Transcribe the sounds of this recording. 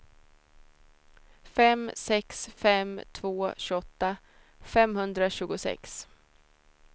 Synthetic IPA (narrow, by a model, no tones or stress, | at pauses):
fɛmsɛksfɛmt̪ʰvoːɕɵɔt̪ːa | fɛmhɵnd̪ɾaɕʉ̟ːɡʊsɛ̰ks